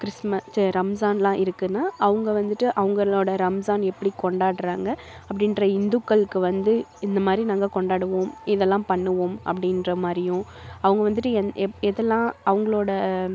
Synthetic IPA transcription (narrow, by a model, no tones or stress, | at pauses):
kɾɪsmɐstɾɐmsaːnlãːʔɪɾɯkːɯnːaːʔɐʋɯŋɡɐʋɐnd̪ɯʈːɯʔɐʋɐŋɡɐɭoːɽɐɾɐmsaːnɛpːɐɽikɔɳɖaːɽɯɾaːŋɡɐ | ɐpːɐɽɪnɾɐɪnd̪ʊkːɐɭkːɯʋɐnd̪ɯɪnd̪ɐmaːd̪ɾinaːŋɡɐkɔɳɖaːɽɯʋoːmɪðɛlːãːpɐɳːɯʋoːmɐ̰pːɐɽɪnɾɐmaːd̪ɾɪjʊ̃ɐʋɐŋɡɐʋɐnd̪ɯʈːɯɛɛðɛlːãːɐʋɐŋɡɐɭoːɽɐ